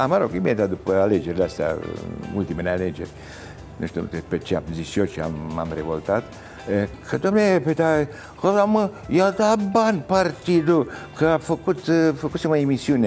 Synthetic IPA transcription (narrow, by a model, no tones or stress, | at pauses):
amaɾokimet̪ad̪upəaled͡ʒeɾlast̪a̰ult̪imənaled͡ʒḛɾ | nəʃt̪ut̪epet͡ʃia̰pziʃot͡ʃia̰mːa̰mɾevo̰lt̪at̪ | kʰəd̪omnepet̪a | kozaməjat̪abanpaɾt̪id̪ukəafəkut̪fəkusimaimisjune